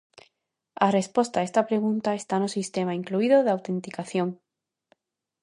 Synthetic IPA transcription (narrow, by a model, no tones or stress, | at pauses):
are̞spo̞st̪aest̪apɾe̞ɣ̞ũnt̪aest̪anosist̪emaiŋkluiðoðeawt̪ẽnt̪ikaθjõŋ